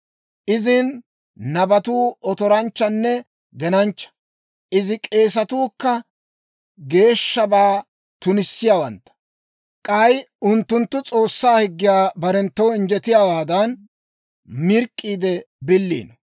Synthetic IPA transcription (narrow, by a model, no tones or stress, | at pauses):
ʔɪzɪnː | ɐbɐt̪uːɔt̪ɔɾɐnt͡ʃːɐnːɛ | ɡɛnɐnt͡ʃːɐ̥ | ʔɪzɪkʼe̞ːs̬ɐt̪uːkːɐ | ɡe̞ːʃːɐbaː | t̪ʊnɪsːɪjaːwɐnt̪ːɐ̥ | kʼɐjʊnt̪ːʊnt̪ːʊt͡sʼo̞ːsːaːhɪɡːɪjaːbɐɾɛnt̪ːɔwɪnd͡ʒɛt̪ɪjaːwaːd̪ɐn | mɪɾkʼːiːd̪ɛ | bɪlːḭːnɔ